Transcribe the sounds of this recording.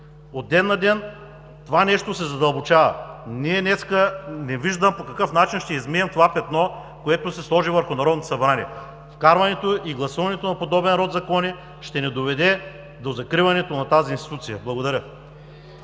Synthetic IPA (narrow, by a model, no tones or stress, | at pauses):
ot̪̚ːɛd̪nɐd̪ɛn | t̪ovanɛʃt̪osɛzɐd̪ɐlˠbot͡ʃavɐ̰niɛnɛskənɛviʒd̪əmpokɐkɤfnat͡ʃinʃt̪ɛizmiɛmt̪ovapɛt̪nɔ | koɛt̪osɛslˠɔʒivəɾxonɐɾɔd̪not̪osɐbɾanʲiɛ | fkaɾvɐnɛt̪oiɡlˠɐsuvɐnɛt̪onɐpod̪ɔbɛnɾɔd̪zɐkɔni | ʃt̪ɛnɛd̪ovɛd̪ɛ | d̪ozɐkɾivɐnɛt̪onɐt̪azinst̪it̪ut̪sijəblˠɐɡod̪ɐɾʲə